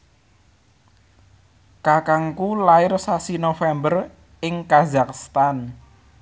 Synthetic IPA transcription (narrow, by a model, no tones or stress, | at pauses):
kakaŋkulaɪrsasinofɛmbər | ɪŋkazakst̪an